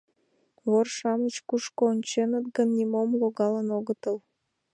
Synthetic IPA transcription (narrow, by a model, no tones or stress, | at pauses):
βorʃɑmət͡ɕkuʃkoːnʲt͡ɕenət̪ɡənːimomloɣɑlənoɣət̪əl